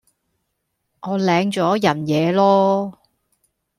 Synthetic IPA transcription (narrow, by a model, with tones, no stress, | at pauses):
ŋɔː˨˧lɛː˨˧ŋt͡ʃɔː˨˥jɐ˨˩njɛː˨˧lɔː˥